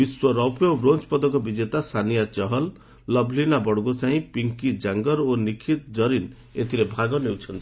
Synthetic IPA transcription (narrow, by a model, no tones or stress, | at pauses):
biswɔɾɔwpjɔbɾont͡ʃpɔd̪ɔkɔbid͡ʒet̪asʰanijat͡ʃɔɦɔlː | ɔbʱlinabɔɽɡosaɦĩpiŋkid͡ʒaŋɡɔɾonikʰit̪d͡ʒɔɾin | et̪ʰiɾebʱaɡɔnewt͡ʃʰɔnt̪i̥